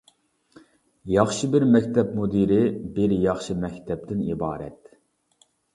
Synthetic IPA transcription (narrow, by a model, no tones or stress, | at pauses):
jɑχʃibɪɾmɛkʲt̪ʰɛp̚mod̪iɾɪbɪɾjɑχʃimɛkʲt̪ʰɛp̚t̪ɪnḭbɑːɾɛ̰t̪